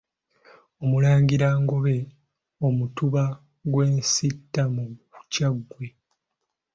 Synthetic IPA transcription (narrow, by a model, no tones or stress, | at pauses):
o̞mulaːɲɟiɾaːŋɡo̞βe̞ | omutuβa | ɡwe̞ːnsitːamuucaɡːwe̞